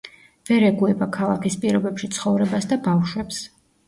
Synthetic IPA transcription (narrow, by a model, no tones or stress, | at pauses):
vɛɾɛɡuɛbakʰalˠakʰispʼiɾɔbɛpʃit̪sʰχɔvɾɛbasd̪abafʃwɛps